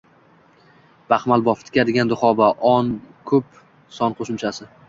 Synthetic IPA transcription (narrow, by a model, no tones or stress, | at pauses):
b̥aχmalˠbɒft̪ʰɪ̥kʲad̪ɪɡʲand̪ʊχɒbaʔɒnkʰɵp | sɒnqʰoʃɪmt͡ʃʰasɪ